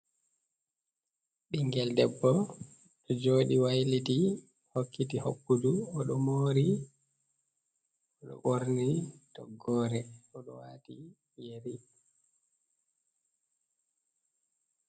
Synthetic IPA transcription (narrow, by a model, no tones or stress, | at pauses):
ɗiŋɡɛldɛbːɔ | ɗɔd͡ʒoːɗiwajliti | hokːitihokːuduɔɗɔmoːɾi | ɔɗɔ̰ʔoɾnitɔɡːɔːɾɛɔɗɔwaːti | jeɾi